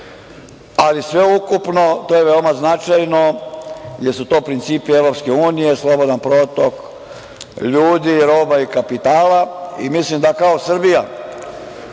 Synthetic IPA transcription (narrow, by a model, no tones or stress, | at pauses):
alisʋe̞ukupno̞t̪ojeʋeomaznat͡ʃajno̞ | jeɾsut̪o̞ːpɾint̪siːpieʋɾo̞pske̞uːnijeslˠo̞bo̞d̪anpɾo̞ːt̪o̞k | ʎuːd̪iɾo̞ːbaikapit̪aːlaḭmislimd̪akaosr̩bija